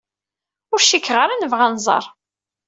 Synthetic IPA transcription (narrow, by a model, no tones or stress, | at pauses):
ʊɾʃikːʁəɾænəvʁænzˤɑ̰ɾˤ